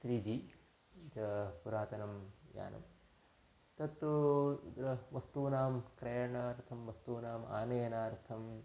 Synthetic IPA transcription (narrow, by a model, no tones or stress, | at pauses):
t̪ɾiːd͡ʒi | d͡ʒɐpuɾaːt̪ɐnɐmja̰ːnɐ̰m | t̪ɐt̪ːud̪ɾɐʋɐst̪uːnaːmkɾeːjɳɐɾt̪ʰɐmʋɐst̪uːnaːma̰ːnɐjɐnaːɾt̪ʰɐm